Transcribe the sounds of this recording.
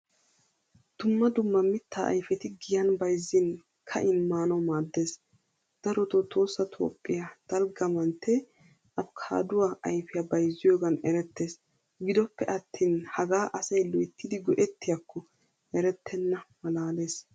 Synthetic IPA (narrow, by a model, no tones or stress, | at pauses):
d̪̥ʊmːɐd̪ʊmːɐmɪt̪ʰːaːʔɐ̰jfɛt̪ɪɡɪjɐnbɐjzːɪn | kʰɐ̰ʔɪnmːaːnɔmaːd̪ːe̞ːs | d̪̥ɐɾɔt̪ot̪ʰo̞ːsːɐt̪ʰo̰ːpʼːɪjad̪̥ɐlɡɐmɐnt̪ʰːɛ | ʔɐbkʰa̰ːd̪ʊwaːʔɐjfɪjabɐjzːɪjoːɡɐnɛɾɛt̪ːe̞ːs | ɡɪd̪ɔpːɛʔɐt̪ʰːiːnhɐɡaːʔɐsɐjlʊjt̪ːɪd̪ɪɡɔʔɛt̪ːɪjakʰːɔ | ɛɾɛt̪ʰːɛnːɐmɐlaːle̞ːs